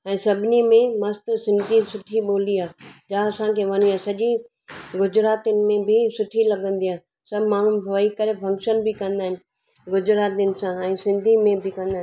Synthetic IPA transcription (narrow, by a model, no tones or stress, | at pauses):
ɛ̃ːsɐbʱɪnimẽmɐst̪sɪ̃nd̪ʱisʊʈʰiɓoːliaːd͡ʒaɐsãkʰeʋɐniaːsɐʄi | ɡʊd͡ʑɾaːt̪inɪ̆mẽbʱɪsʊʈʰilɐɡə̃nd̪iaː | sɐbʱmãːoikɐɾefʰɐ̃ŋkʃənbʱɪkɐ̃nd̪aːɦɪnɪ̆ | ɡʊd͡ʑɾaːt̪inɪ̆sãɛ̃ːsɪ̃nd̪ʱimẽbʱɪkɐ̃nd̪aːɦɪ